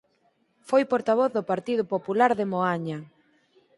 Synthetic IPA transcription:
fojpoɾt̪aβoθðʊpaɾt̪iðʊpopulaɾðɪmoaɲa

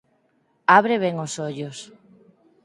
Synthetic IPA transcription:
aβɾeβ̞ɛŋosoʎos

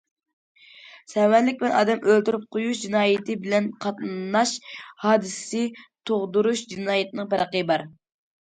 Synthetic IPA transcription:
sɛwɛnlɪk̚ʲbɪlɛnɑ̰ːd̪ɛmʔølt̪yɾyp̚qʰojuʃd͡ʒinɑːjɪt̪ʰɪbɪlɛnqʰɑt̪nnɑʃhɑːd̪ɨsɨ̥sɪt̪ʰoʁd̪uɾuʃd͡ʒinɑːjɪt̪ʰɨnɨŋpɛɾəqəbɑɾ

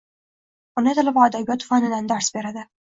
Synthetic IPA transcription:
ʊnɪt̪ʰalabad̪abjɒt̪ʰːʊ̥fanɪd̪and̪aɾsbe̞ɾad̪ɪ

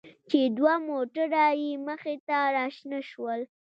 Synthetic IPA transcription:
t͡ʃed̪wamoʈaɾajiməxet̪aɾɑʃnaʃwəl

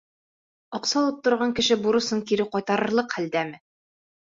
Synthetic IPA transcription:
ɒqsɑlˠɤp̚t̪ŏɾʁɑŋkɘ̆ʃɘbuɾɤ̆sɤŋkiɾɘqɒjt̪ɑɾɤ̆ɾlˠɤqhæld̪æmɘ

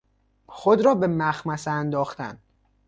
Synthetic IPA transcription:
xod̪ɾɒːbe̞mæxmæseænd̪ɒːxt̪æ̰n

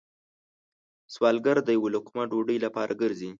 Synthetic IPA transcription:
swɑlɡaɾd̪əjawolʊkmaɖoɖəjlapɑɾʔaɡəɾzi

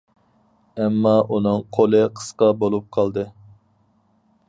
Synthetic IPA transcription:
ɛmːɑʔunɨŋqʰolˠɨqʰə̥sqɑbolˠup̚qʰɑlˠd̪ɨ

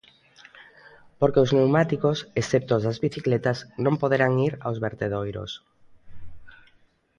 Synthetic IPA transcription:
poɾkeoznewmat̪ikosesθep̚t̪ozðazβiθiklet̪aznõmpoðeɾaŋiɾa̰wzβeɾt̪eðojɾo̰s

